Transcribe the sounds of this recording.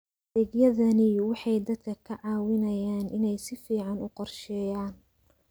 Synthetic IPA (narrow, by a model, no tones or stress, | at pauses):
d̪ɛɡjɐðɐnɪwɑħɑjd̪ɐd̪kʰɐkʰɐʕɑːwɪnɐjaːnʔɪnɛjsɪfiːʕɑnʊqɔrʃɛːjaːn